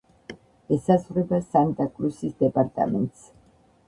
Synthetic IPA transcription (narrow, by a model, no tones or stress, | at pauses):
ɛsazʁɾɛbasant̪ʼakʼlusisd̪ɛpʼaɾt̪ʼa̰mɛ̰nt̪ʼs